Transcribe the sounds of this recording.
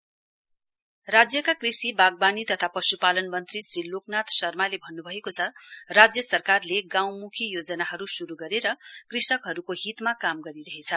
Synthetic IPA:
rad͡zjʌkakrisibaɡ̚banit̪ʌt̪ʰapʌsupalʌnmʌnt̪risriloknat̪sʌrmalebʱʌnːubʱʌekot͡sʰʌrad͡zjʌsʌrkarleɡãw̃mukʰijod͡zʌnaɦʌɾusuɾuɡʌɾeɾʌkrisʌkɦʌɾukoɦit̪makamɡʌɾiɾʌɦet͡sʰʌ

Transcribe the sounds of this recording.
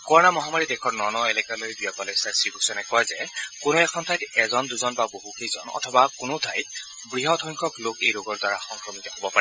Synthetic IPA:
kɔɹɔnamɔɦamaɹidɛkʰɔɹnɔnɔɛlɛkalojdujakɔlesasiɡusɔnɛkɔjzɛkʊnoɛkʰɔntʰajtɛzɔnduzɔnbaboɦukejzɔ̰nɔ̰tʰɔbakʊnotʰajt | bɹiɦɔtʰɔjŋkʰɔklokejɹoɡɔɹdwaɹaxɔŋkɹɔmitɔɦobɔpaɹɛ

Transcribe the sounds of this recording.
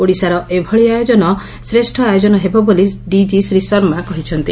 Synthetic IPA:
oɽisaɾɔʔebʱɔɭiajod͡ʒɔnɔ | sɾesʈʰɔajod͡ʒɔnɔɦebɔboliɖid͡ʒisɾisɔɾmakɔɦit͡ʃʰɔnt̪i

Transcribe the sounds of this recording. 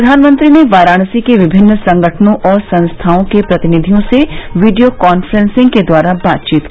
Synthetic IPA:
d̪ʱaːnmə̃nt̪ɾineʋaːɾaːɽ̃sikeʋɪbʱɪnːsɐ̃ŋɡəʈʰnõʔɔːɾsɐ̃ñst̪ʰaːõkepɾɐt̪ɪnɪd̪ʱijõseʋiːɖijokɔːnfɾɛ̃nsɪ̃ŋɡked̪waːɾabaːt̪̚t͡ʃiːt̪kː

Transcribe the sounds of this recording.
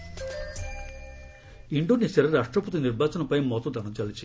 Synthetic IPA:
iɳɖunisɐɾɐɾaːʂʈɾɐput̪iniɾbʱaːt͡ʃɐnɐpɐjmɔt̪ɐd̪ɐnɐmt͡ʃɐlit͡ʃi

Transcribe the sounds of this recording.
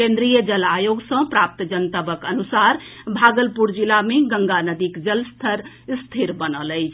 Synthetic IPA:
kẽnd̪ɾijəd͡ʒəlajoɡsə̃pɾap̚t̪d͡ʒənt̪əbəkənusaɾbʱaɡəlpuɾd͡ʒilameɡəŋɡanəd̪ikd͡ʒəlst̪ʰəɾ | st̪ʰiɾbənələjt͡ʃʰ

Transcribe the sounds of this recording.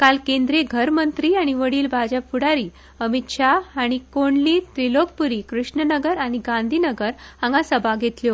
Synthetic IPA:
kalkend̪ɾeɡʱəɾmənt̪ɾiːaɽ̃iʋəɽiːlbʱad͡ʑapfuɽaɾiː | əmit̪ɕaaɽ̃ikoɳliːt̪ɾiloɡ̚puɾiːkɾuʂɳənəɡəɾaɽ̃iɡãnd̪ʱiːnəɡəɾãŋɡasəbʱaɡʱet̪ljo

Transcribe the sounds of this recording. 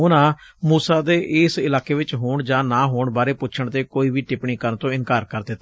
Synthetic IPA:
ʊnãː | muːsaːd̪eːʔɪːsɪlaːkeːʋɪt͡ʃɦoːɳd͡ʒãːnãːɦoːɳbaːɾeːpʊːt͡ʃʰəɳt̪eːkoːiːʋiːʈɪpɳiːkəɾnt̪õːɪnkaːɾkəɾd̪eːt̪ː

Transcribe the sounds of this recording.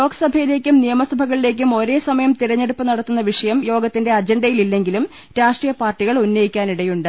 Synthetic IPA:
jo̞ːɡɐsɐbʱɐjile̞ːkʲːumnijɐmɐsɐbʱɐɣɐɭile̞ːk̬ʲːumo̞ɾe̞ːsɐmɐjɐmt̪iɾɐɲːe̞ɽupːɨnɐɽɐt̪ːunːɐʋiʂɐjɐmjo̞ːɡɐt̪ːinde̞ɐd͡ʑeɳɖɐjililːe̞ŋɡilum | ɾaːʂʈrijɐpaːrʈːiɣɐɭunːɐjikʲːaːniɽɐjuɳɖɨ

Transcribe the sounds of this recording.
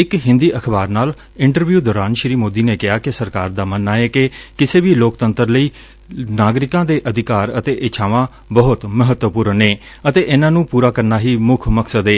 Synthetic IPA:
ɪkɦɪ̃nd̪iːʔəkʰbaːɾnaːl | ɪ̃ɳʈəɾʋjuːd̪ɔːɾaːnʃɾiːmoːd̪iːneːkɪaːkɪsəɾkaːɾd̪aːmənːaːeːkɪkɪseːʋiːloːkt̪ənt̪əɾləiː | naːɡɾɪkãːd̪eːʔəd̪ɪkaːɾət̪eːʔɪt͡ʃʰaːʋãː | bəɦʊt̪məɦət̪wəpuːɾneː | ət̪eːʔeːnãːnũːpuːɾaːkəɾnaːɦiːmʊkʰməksəd̪eː

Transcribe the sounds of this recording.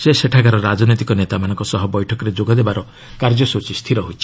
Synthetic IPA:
seseʈʰakaɾɔɾad͡ʒɔnɔjt̪ikɔnet̪amanɔ̃ŋkɔsɔɦɔbɔjʈʰɔkɔɾed͡ʒoɡɔd̪ebaɾɔ | kaɾd͡ʒɔsot͡ʃist̪ʰiɾɔɦojt͡ʃʰi̥

